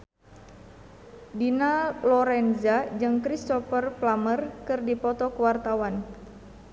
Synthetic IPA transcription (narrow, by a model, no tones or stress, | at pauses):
dinalɔɾɛnzad͡ʒɨŋkɾist̪ɔfərplamərkɨrdipɔt̪ɔkəwart̪awan